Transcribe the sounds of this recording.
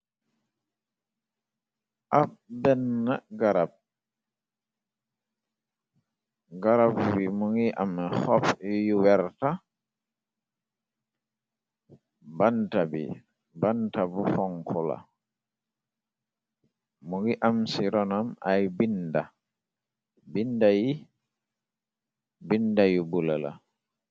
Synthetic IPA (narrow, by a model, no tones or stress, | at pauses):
ʔab̚bɛnːaɡaɾab̚ | ɡaɾabwimuŋɡiʔamxɔfijuwɛɾta | bantabḭ | bantabufɔŋkʰɔla̰ | muŋɡiʔamsiɾɔnamajbinda | bindaji | bindajubulala̰